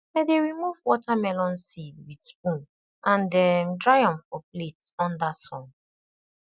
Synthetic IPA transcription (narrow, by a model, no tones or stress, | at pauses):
ɛdeɹimuvwɔtʰamɛlɔ̃nsidwidsp̚ũn | ʔãndɛmdɹajɔ̃nfɔpletsɔ̃ndasɔ̃n